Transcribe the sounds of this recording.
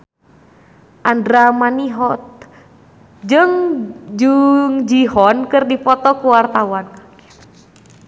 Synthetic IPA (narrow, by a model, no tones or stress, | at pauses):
ʔandɾamaniɦɔt̪̚ | d͡ʒɨŋd͡ʒɨŋd͡ʒiɦɔnkɨrdipɔt̪ɔkuwart̪awan